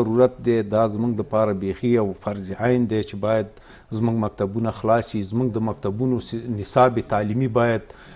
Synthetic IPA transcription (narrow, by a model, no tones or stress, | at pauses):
aɾuɾat̪̚d̪ed̪ɑzmuŋɡləpɑɾabexiawfaɾziʔajnd̪et͡ʃebɑjad̪ | zmuɡmak̚t̪abunaxlɑsizmuŋɡd̪əmak̚t̪abunonɪsɑbet̪ɑlimibɑjad̪